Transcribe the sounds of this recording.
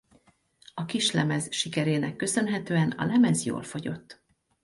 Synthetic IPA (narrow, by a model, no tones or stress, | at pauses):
ɒkiʃlɛmɛzʃikɛɾeːnɛkːø̞sø̞nɦɛt̪øːɛnɒ̰lɛmɛzjo̰ːlfo̞ɟo̞t̪ː